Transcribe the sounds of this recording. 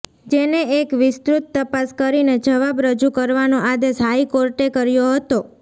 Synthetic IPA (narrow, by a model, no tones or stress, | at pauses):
d͡ʒeneekʋɪst̪ɾut̪ːəpaskəɾined͡ʒəʋabɾəd͡ʒukəɾʋanoʔad̪eʃɦaikoɾʈekəɾjoɦət̪o